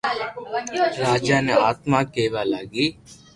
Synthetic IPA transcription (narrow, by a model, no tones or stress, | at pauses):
ɾaːd͡ʒaːneaːt̪mãkeːʋaːlaːɡiː